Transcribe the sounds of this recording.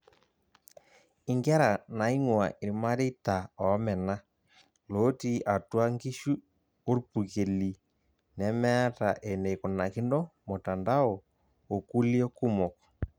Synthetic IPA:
i˨ŋɡɛ˦ɾa˨na˨i˦ŋwa̰˨ʔi˨ɾi˨ma˦ɾe˦i˦ta˨ɔ˨˦mɛ˨na˦ | lo˦ti˦ʔa˨twa˦ŋɡi˦ʃu˦ | o˦ɾpu˨ke˨li˨ | nɛ˨˦mɛ˦a˦ta˨ʔe˨ne˨ko˨na˨ki˦ndɔ˦mo˨ta˨nda˦ɔ˨ | o˨ku˦li˦ɔ˦ku˦mɔ˨kɔ̥˨

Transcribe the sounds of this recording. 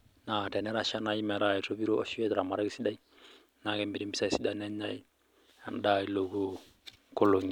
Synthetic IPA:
na˨tɛ˨nɛ˦ɾa˦ʃa˦na˨ji˦mɛ˨ɾa˨i˨to˦bi˦ɾo˦o˦ʃi˦ɛ˦tɾa˨ma˨ɾa˦ɡi˦si˦da˦i˦ | na˨kɛ˨mbi˨ɾi˦mbi˦sa˦i˨si˦da˦nɛ˦ɲa˦i˦ | a˨nda˦˨i˨lo˨ɡo˦ | ko˦lo˨ŋi˨

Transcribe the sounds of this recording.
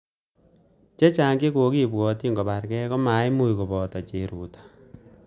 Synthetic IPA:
t͡ʃe˦t͡ʃa˨ŋɡi˦ko˨ki˦bwɔː˨ti˦ŋɡɔ˨ba˨rkɛ˦kɔ˦ma˨˦jmu˦jko˨bɔ˨ta˨t͡ʃe˨ɾu˨tḁ

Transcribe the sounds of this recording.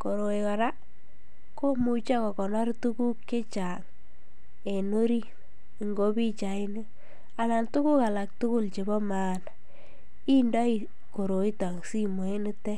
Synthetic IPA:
ko˨ɾo˨i˨ka˨ɾa˦ | ko˦mu˨t͡ʃa˦kɔ˨kɔ˨nɔ˦ɾtu˦ku˦kt͡ʃe˦t͡ʃa˨ŋ | e˨no˦ɾi˦˨ | ŋɡo˦pi˦t͡ʃa˨ɪ˦nɪ˦ | a˨na˨ntu˦ku˦ka˨la˨k̚tʊ˦kʊ˦lt͡ʃe˨bɔ˦maː˨n | i˦ndɔ˦i˨ | ko˨ɾo˨i˦ta˨ŋsi˦mo˨e˦nɪ˦tɛ˦

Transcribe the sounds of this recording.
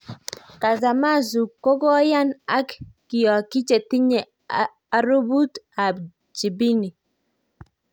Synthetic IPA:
ka˨za˨ma˦zu˨ko˦ɡɔ˦ja˦na˦kː | ɪ˨jɔ˨kɪ˦t͡ʃe˨ti˦ɲe˨ | a˨˦ɾu˦bu˦t̪a˨b | d͡ʒi˨bi˦ni˨

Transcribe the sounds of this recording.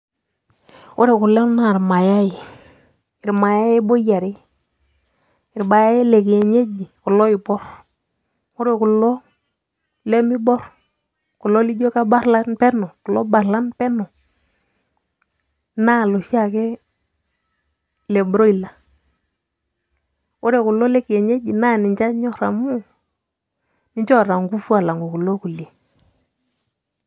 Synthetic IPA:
ʊ˦ɾe˨kʊ˨lɛ˦na˦˨ɾma˨ja˦i˨ | ɪ˨ɾma˨ja˦ji˦bo˦ja˨ɾɪ˦ | ɪ˨ɾba˨ja˦ji˦le˨ke˨ɲe˦d͡ʒi˨ku˨lɔ˦i˨bɔ˦ɾ | ʊ˦ɾe˨kʊ˨lɔ˦ | le˦mi˦bɔ˦ɾ | ku˨lɔ˦li˦ɟo˦ka˦ba˦ɾla˦npɛ˦nɔ˨ku˨lɔ˦ba˨ɾla˦npɛ˦nɔ˨ | na˦˨lo˨ʃi˦a˦˨kɛ˦ | lɛ˨bɾo˦i˨la˨ | ʊ˦ɾe˨kʊ˨lɔ˦lɛ˦ke˨ɲe˦d͡ʒi˨na˦˨nɪ˨ɲt͡ʃa˦ɲɔ˦ɾa˨mu˦ | nɪ˦ɲt͡ʃɔ˦˨ɾa˨ŋɡu˦fu˦a˨la˨ŋɡo˨ku˨lɔ˦ku˨le˨

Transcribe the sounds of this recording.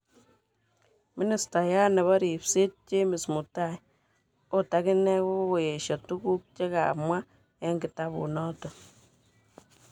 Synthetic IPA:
mi˦ni˨sta˨ja˦nɛ˨βɔ˦ɾi˨pse˦t̚t͡ʃe˦mi˨smu˨ta˦˨j | o˦ta˦ki˦nɛ˦ko˦o˨je˨ʃɔ˨tu˦ku˦k̚t͡ʃe˦ka̰˨mwa˦ | e˦ŋɡi˨ta˦bṵ˨nɔ˦tɔ˨

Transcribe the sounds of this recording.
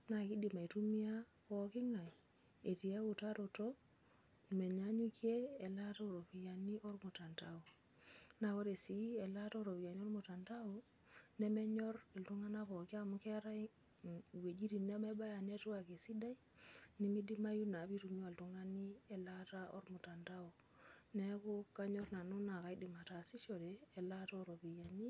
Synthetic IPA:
na˨ki˦di˨ma˨i˨tu˦mi˦a˦ | pɔ˨ki˦ŋa˨j | e˨ti˨e˦wu˨ta˦ɾo˨to˦ | me˨ɲa˦ɲu˦kjeː˦˨la˦ta˦o˨ɾo˨pi˨ja˨ni˦ʔo˦rmu˨ta˨nta˦o˨ | na˨ko˦ɾe˨si˦ɛ˨la˦ta˦o˦˨ɾo˨pi˨ja˨ni˦o˦ɾmu˨ta˨nta˦u˨ | nɛ˦mɛ˦ɲɔ˦ɾi˨ltu˦ŋa˦na˦po˨ki˦a˦˨mu˦ke˦ɾa˦ | we˨d͡ʒi˦ɾi˨ne˦me˦ba˦ja˨ne˦tu˦a˨ke˨si˦da˦j | ni˦mi˦di˦ma˦ju˦na˨bi˦tu˨mi˦a˨ltu˦ŋa˦ni˦e˨la˦ta˦o̰˦ɾmu˨ta˨nta˦o˨ | ne˦ko˦ka˦ɲɔ˦ɾna˨nu˦na˨ka˨i˦di˨ma˨ta˨si˦ʃo˨ɾeː˨la˦to˦o˦˨ɾo˨pi˨ja˨ni˦

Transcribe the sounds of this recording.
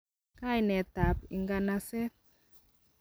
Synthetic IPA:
ka˦jnɛ˨ta˨pi˨ŋɡa˧na˦sɛ˦t̚

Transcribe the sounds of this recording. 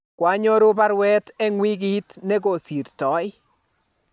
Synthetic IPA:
kwa˦ɲo˦ɾʊ˦ba˦ɾwɛ˦tɛ˦ŋwi˦ɡi˦tnɛ˦ɡo˨si˨ɾtɔ˨˦ɪ˦

